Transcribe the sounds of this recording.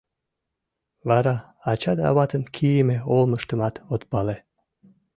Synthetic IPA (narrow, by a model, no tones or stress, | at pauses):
βɑɾɑ | ɑt͡ɕɑd̪ɑ̰βɑt̪ənkʰijemeolməʃt̪əmɑt̪ot̪pɑle